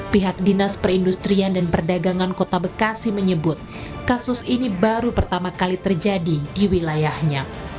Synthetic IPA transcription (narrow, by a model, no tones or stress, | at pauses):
piɦak̚dinaspərindust̪ɾiandanpərdaɡaŋankot̪abəkasiməɲəbʊt̪̚ | kasʊsinibaɾupərt̪amakalit̪ərd͡ʒadidiwilajahɲa